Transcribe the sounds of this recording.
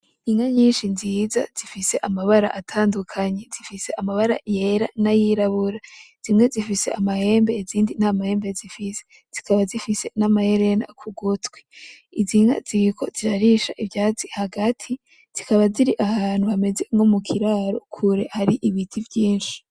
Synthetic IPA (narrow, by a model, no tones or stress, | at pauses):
iŋaɲiːnʃinziːza̰z̥ifise̞ʔamaβaɾa̰ʔatʰaːndukʰaɲe̞zifise̞ʔamaβaɾa̰je̞ɾa̰najiɾaβuɾaz̥imŋe̞zifise̞̰ʔamahe̞ːmbe̞iziːndin̥amahe̞ːmbezifise̥ | z̥ikaβazifise̞namahe̞ɾe̞na̰kʰuɡotwi̥ | iziŋa̰zikʰo̞̰ziɾaɾiʃa̰ʔivjaːzihaɡatʰi | z̥ikaβaziɾiʔahaːn̥huhame̞ze̞ŋo̞mukʰiɾaːɾo̞̰kʰuɾe̞haɾiʔiβitʰivjiːnʃi̥